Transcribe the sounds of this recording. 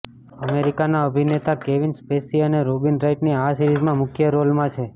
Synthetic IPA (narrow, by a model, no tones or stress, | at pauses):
əmeɾikanaəbʱinet̪akeʋinspesiəneɾobinɾaiʈniasiɾizmãmʊkʰjəɾolmãt͡ʃʰe